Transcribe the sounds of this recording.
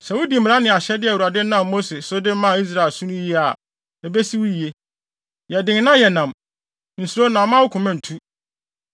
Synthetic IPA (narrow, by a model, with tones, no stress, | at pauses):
sɛ˨wu˦dĩ˨m̩m˨ɾa˦nɪ̃˨a˨ɕɛ˦dɪ˦ɛ˨wu˨ɾa˨dɪ˦nã˦˨mːo˦se˨sʊ˦dɪ˦m˦mã˦˨i˦s̬ɾa˨e˨lsũ˦nũ˦ji˦a˨ | e˨be˦si˦wu˦i˨e˦ | jɛ˨dɪ̃˨ŋ˦nã˦jɛ˨nã˨m | n̩˨su˨ɾo˦nã˨mã˦wʊ˦kʰʊ̃˨mɛ̃˦n̩˨tʰu˦